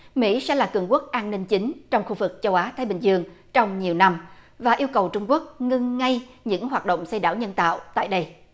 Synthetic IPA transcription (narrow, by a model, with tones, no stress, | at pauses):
mḭ˧˥sɛ̰˧˥laː˨˩kɨ˨˩ŋku˦˥ək̚ʔaː˧nnï˧ŋ̟t͡ɕi˨˦ŋ̟t͡ɕɔ˧wŋ͡mxu˧vɨ˨˩k̚t͡ɕə˧wʔaː˨˦t̪ʰaː˨˦jɓï˨˩ŋzɨ˧əŋt͡ɕɔ˧wŋ͡mɲi˨˩əwna˧m | vaː˨˩ʔi˧əwkə˨˩wt͡ɕʊ˧ŋ͡mku˦˥ək̚ŋɨ˧ŋːa˧j | ɲɨ̰˧˥ŋɦwaː˨˩t̚ɗo̰˧˨wŋ͡msə˧jɗaː˧˩wɲə˧nt̪a̰ː˧˨wt̪a̰ː˧˨jɗə˧j